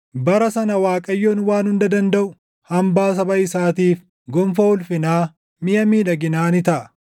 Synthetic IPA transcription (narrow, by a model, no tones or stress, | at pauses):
bɐɾɐsɐnɐwaːkʼɐjːoːnwaːnhʊnd̪ɐd̪ɐnd̪ɐʔʊ | hɐmbaːs̬ɐbɐɪsaːt̪iːf | ɡɔmfɐʊlfɪnaː | mɪjɐmiːᶑɐɡɪnaːnɪt̪ɐʔɐ